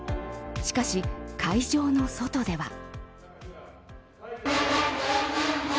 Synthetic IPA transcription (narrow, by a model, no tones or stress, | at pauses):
ɕi̥kaɕikʰaiʑo̞ːno̞so̞t̪o̞d̪e̞βa̰